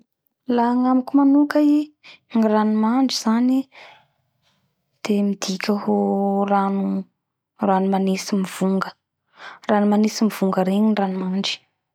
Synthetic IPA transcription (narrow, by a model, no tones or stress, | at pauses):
laŋamikumanukai | ŋiranumaɳɖ͡ʐiz̥ani | d̪̥emid̪̥ikʲəɦoranu | ranumanisimiv̥uŋɡə̥ | ranumanisimiv̥uŋɡəɾeɲinranumaɳɖ͡ʐi̥